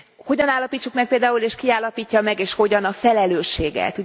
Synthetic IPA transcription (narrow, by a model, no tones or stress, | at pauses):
ho̞ɟɒnaːlːɒpiːt͡ʃːukmɛk̚peːld̪aːuleːʃkiaːlːɒpiːcːɒmɛɡeːʃho̞ɟɒnɒfɛlɛløːʃːeːɡɛ̰t̪u